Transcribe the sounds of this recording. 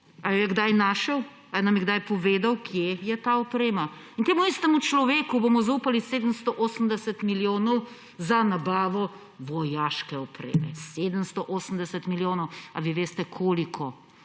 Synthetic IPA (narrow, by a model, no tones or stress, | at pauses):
ajjɛɡd̪ajnaːʃɛw | ajnamjɛɡd̪ajpɔʋeːd̪awkʰjejɛt̪aɔpɾeːmaint̪eːmuist̪ɛmut͡ʃlɔʋeːkubomɔzauːpaliseːd̪əmst̪ɔʔoːsəm̩d̪ɛsɛt̪miljoːnɔw | zanabaːʋɔ | ʋɔjaʃkɛɔpɾḛːmɛ̰sed̪əmst̪ɔʔoːsəm̩d̪ɛsɛt̪miljoːnɔwa̰ʋiʋeːst̪ɛkʰoːlikʰɔ